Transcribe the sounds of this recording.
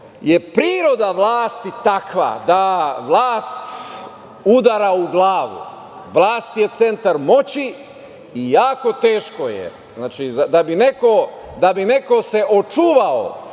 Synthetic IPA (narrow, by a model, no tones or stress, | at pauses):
jepɾiːɾo̞d̪aʋlˠaːst̪it̪akʋa̰d̪aʋlˠaːst̪ | ud̪aɾauɡlaːʋṵ | ʋlˠaːst̪jet̪se̞nt̪aɾmo̞t͡ɕi | ijaːko̞t̪e̞ːʃko̞jḛ | znaːt͡ʃizad̪abine̞ko̞ | d̪abine̞ko̞se̞ʔot͡ʃuːʋao̰